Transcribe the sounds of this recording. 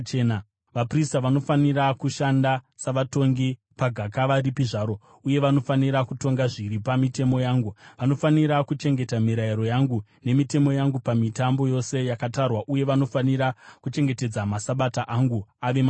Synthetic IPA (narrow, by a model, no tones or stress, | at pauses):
ena | ʋapristaʋano̞fanirakuʃandasaʋato̞ŋɡi | paɡʱakaʋaɾipiʐaːɾo̞ | uje̞ʋano̞faniɾakuto̞ŋɡaʐiɾipamite̞mo̞jaːŋɡuʋano̞faniɾakut͡ʃe̞ŋɡe̞tamiɾaiɾo̞jaŋɡune̞mite̞mo̞jaŋɡupamitambo̞jo̞se̞jakatarwaʔuje̞ʋano̞faniɾakut͡ʃe̞ŋɡe̞te̞d͡zamasaɓataʔaŋɡuaʋema